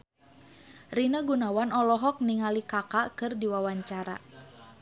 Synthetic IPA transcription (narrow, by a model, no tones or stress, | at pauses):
rinaɡunawanɔlɔɦɔk̚niŋalikakakɨrdiwawaɲt͡ʃaɾa̰